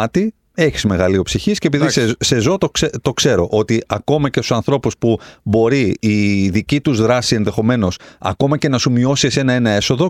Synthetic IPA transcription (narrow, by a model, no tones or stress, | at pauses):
t̪i | e̞çi̥zme̞ɣɐlio̞psiçiscepiðisse̞zo̞t̪oet̪o̞kse̞ɾo̞̰ʔot̪iɐko̞mɐcest̪u̥sɐnθɾo̞puspubo̞ɾiiðicit̪uzðɾɐsie̞nðe̞xo̞me̞no̞sɐ̰ko̞mɐce̞nɐsumio̞sise̞nɐe̞nɐe̞so̞ðo̞